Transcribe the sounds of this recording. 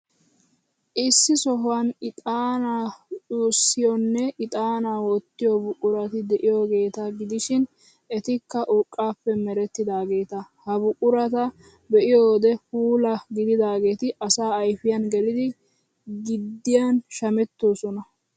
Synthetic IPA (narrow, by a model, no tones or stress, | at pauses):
ʔɪsːɪsɔɦʊwanɪt̪ʼaːnaːt͡sʼuːsːɪjɔnːɛɪt̪ʼaːnaːwɔt̪ːɪjɔbʊkʼːʊɾɐt̪ɪd̪ɛʔɪjoːɡe̞ːt̪ɐɡɪd̪ɪʃɪn | ɛt̪ɪkːɐʔʊkʼːaːpːɛmɛɾɛt̪ːɪd̪aːɡe̞ːt̪ɐhɐbʊkʼːʊɾɐt̪ɐ | bɛʔɪjoːd̪ɛfuːlɐɡɪd̪ɪd̪aːɡe̞ːt̪ɪʔɐsaːɐjfɪjɐnɡɛlɪd̪ɪ | ɡɪd̪ːɪjanʃɐmɛt̪ːo̞ːsɔnɐ